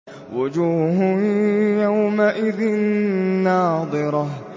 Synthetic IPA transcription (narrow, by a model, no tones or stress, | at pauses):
wad͡ʒuːɦʊjawmaʔɪðɪnːɑːd̪ˤɨɾˤɑ